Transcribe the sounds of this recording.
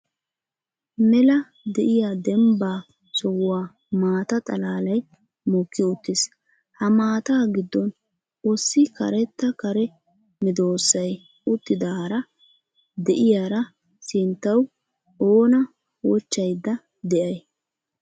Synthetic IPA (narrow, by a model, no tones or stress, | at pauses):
mɛlɐ | d̪ɛʔɪjad̪ɛmbaː | sɔwːaː | maːt̪ɐt̪ʼɐlaːlɐj | mɔkːɪʊt̪ːɪs | hɐmaːt̪aːɡɪd̪ːɔn | ɔsːɪkɐ̰ɾɛt̪ːɐkɐɾɛ | mɪd̪o̞ːsːɐj | ʊt̪ːɪd̪aːɾɐ | d̪ɛʔɪjaɾɐ | sɪnt̪ːɐw | oːnɐ | wɔt͡ʃːɐjd̪ːɐ | d̪ɛʔɐj